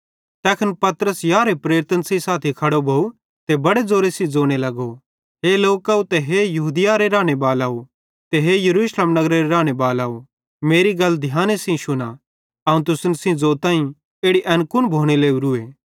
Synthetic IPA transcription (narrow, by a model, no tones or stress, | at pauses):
t̪ɛːkʰɐnpɐt̪ɾəsjaːɾepɾeːɾt̪ənsĩsaːt̪ʰikʰɐɽobʱɐu | t̪ebɐɽed͡zoːɾesĩd͡zoːɽ̃elɐɡo | ɦeloːkɐːut̪eɦejɐɦuːd̪ɪjaɾeɾãːɽ̃ebaːlaːu | t̪eɦejɐɾuːʃleːmnɐɡɾeɾeɾãːɽ̃ebaːlaːu | meːɾiɡɐld̪ʱjaːnesĩʃʊna | ɐũt̪ʊsnsĩd͡zoːt̪ãːĩ | eːɽiʔɛ̃nkʊnbʱoːɽ̃eleːuɾʊeː